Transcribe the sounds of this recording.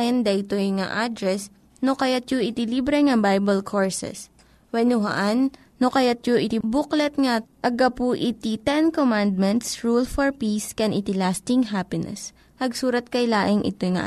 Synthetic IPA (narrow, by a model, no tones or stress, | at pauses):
jɐnd̪ɐʔɪt̪ojŋa̰ʔad̪ɾɛs | nokɐjat̪̚joʔɪt̪ɪlibɾɛŋɐbajbɐlkʰoɹsɛ̰s | wɛnʊɦɐ̰ʔanː | okɐjat̪̚joʔɪt̪ibuklɛt̪̚ŋaʔɐɡapuʔɪt̪it̪ɛnkomand̪̚mɛnt̪sɹulfɔɹpiskɛnʔɪt̪ɪlast̪ɪŋɦapɪnɛ̰s | pɐɡsuːɾɐt̪̚kɐjlaːʔɪŋʔɪ̰t̪ojŋa̰ʔ